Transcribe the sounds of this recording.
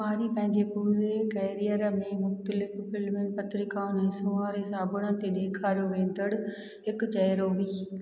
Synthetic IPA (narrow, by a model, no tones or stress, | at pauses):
maːɾipə̃ɦɪ̃ɲd͡ʑepuːɾekɛːɾɪjəɾmẽmʊxt̪əlɪfpɪlmɪnpət̪ɾɪkaːʊnɛ̃ːsʊ̃aːɾesaːbʱəɽ̃ãːt̪eɗeːkʰaːɾjoʋẽːnd̪əɽ | ɪkt͡ʃɐjɾoːʋiː